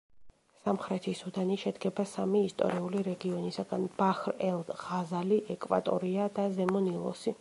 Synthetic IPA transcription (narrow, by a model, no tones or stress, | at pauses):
samχɾɛt̪ʰisud̪aniʃɛd̪ɡɛbasamiːst̪ʼɔ̰ɾiuliɾɛɡiɔnisaɡanb̥aχɾɛlˠd̪ʁazaliʔɛkʼva̰t̪ʼɔ̰ɾiad̪azɛmɔnilˠɔ̰si